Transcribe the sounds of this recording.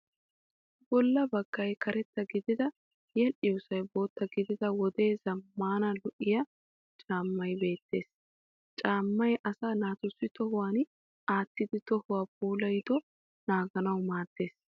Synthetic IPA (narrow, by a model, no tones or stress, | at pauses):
bɔlːɐbɐɡ̥ːɐjkɐɾɛt̪ːɐɡɪd̪ɪd̪ɐ | jɛnʔɪwʊsɐjbo̞ːt̪ːɐɡɪd̪ɪd̪ɐwɔd̪e̞ːzɐmːaːnɐlʊʔɪjɐ | t͡ʃʼaːmːɐjbe̞ːt̪ːe̞ːs | t͡ʃʼaːmːɐjʔɐsaːnaːt̪ʊsːɪt̪ɔhʊwaːn | ʔaːt̪ːɪd̪ɪt̪ɔhʊwaːp̚uːlɐjd̪ɔ | naːɡɐnɐwmaːd̪̥ːe̞ːs